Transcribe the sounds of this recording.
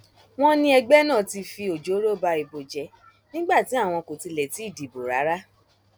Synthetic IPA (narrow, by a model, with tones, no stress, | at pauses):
w̃ɔ̃˦nĩ˧˦ɛ˧ɡ͡bɛ˦nã˦˨ti˧fi˧o˨d͡ʒo˨˦ɾo˦˨ba˧i˧bo˨d͡ʒɛ˧˦ | nĩ˦ɡ͡ba˦˨ti˨˦a˦˨w̃ɔ̃˧ko˨ti˧lɛ˨ti˨˦i˦˨di˨bo˨ɾa˨˦ɾa˦